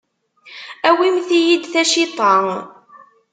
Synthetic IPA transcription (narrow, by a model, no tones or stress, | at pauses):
æwimθijid̪θæʃit̪ˤɑ